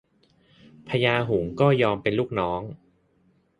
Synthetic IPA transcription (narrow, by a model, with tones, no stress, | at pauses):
pʰa˧jaː˧ɦu˩˦ŋkɔː˥˩jɔː˧mpe˧nluː˥˩k̚nɔː˦˥ŋ